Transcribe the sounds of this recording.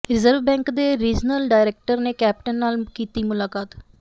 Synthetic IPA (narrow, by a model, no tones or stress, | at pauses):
ɾɪzəɾʋbɛ̃ːŋkd̪eːɾiːd͡ʒnəlɖaːɪɾeːk̚ʈəɾneːkɛːp̚ʈənːaːlkiːt̪iːmʊlaːkaːt̪